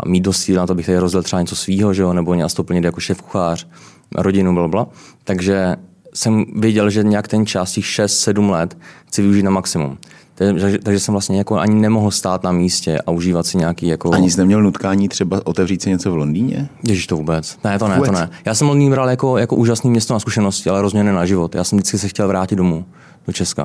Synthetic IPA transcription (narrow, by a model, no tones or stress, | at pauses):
a̰miːd̪̚dost̪̚t͡siːlnat̪oabɪxt̪ɛdɪɾozdɛlt̪rɛbaɲɛt͡so̞sviːɦo̞ʒɛonɛboɲɛast̪opl̩ɲɪdjakoʃɛfku̥xaːr̝̥ | ɾoɟɪnublablat̪aɡʒɛ | sɛmvɪjɛɟɛlʒɛɲɛjakt̪ɛnt͡ʃascɛxʃɛst̪sɛdumlɛt̪xt͡sɪvɪuʒiːt̪namaksɪmṵm | t̪aɡʒɛt̪aɡʒɛsɛmvlastɲɛjako̞ʔa̰ɲɪnɛmoɦl̩st̪aːt̪namiːscɛʔa̰uʒiːvat̪sɪɲɛakiːjakoʔaɲɪsnɛmɲɛlnut̪kaːɲiːt̪r̝̥ɛbaʔot̪ɛvriːt̪sɪɲɛt͡sovlondiːɲɛ̰cɛʒɪʃt̪ovuːbɛt͡snɛt̪onɛtonɛjaːsɛmvlondiːɲbɾaljako̞jakoʔuːʒasniːmɲɛst̪onaskuʃɛno̞scɪʔalɛɾo̞zmɲɛnunaʒɪvot̪jʔa̰ːsɛmdɪt͡skɪsɛxcɛlvɾaːcɪd̪̚do̞mu | dot͡ʃɛska̰